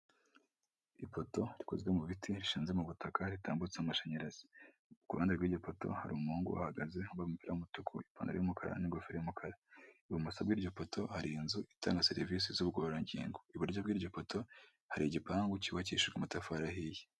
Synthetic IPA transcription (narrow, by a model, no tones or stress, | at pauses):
ipo̞to̞ɾi̥kozɡemuβitʰiɾiʃiːnzemuβutakaɾita̰ːmbut͡senumaʃaɲeɾaz̥i̥ | ukuβaːndeɾɡwiːɾɟopo̞to̞̰ha̰ɾiumhuːŋɡṵʔa̰haɡaze̞umbaβumupiɾajumutukʰṵipa̰ːŋɡa̰ɾijomukʰaɾa̰niɡofeɾejomukʰaɾauβumusabɡiːɾɟo̞po̞tʰo̞haɾiːnzuita̰ːŋɡaseɾivis̬izuːβɡoːɾaɲɟḭːŋɡoiβuɾɟabɡiːɾɟo̞poto̞ | haɾiɟipaːŋɡuciwaciʃiɡamutafaɾahije